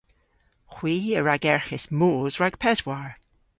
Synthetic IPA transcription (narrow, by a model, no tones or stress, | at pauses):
xwiːəɹaɡɛɹxɪsmoːzɹaɡ̥pʰɛzwaɹ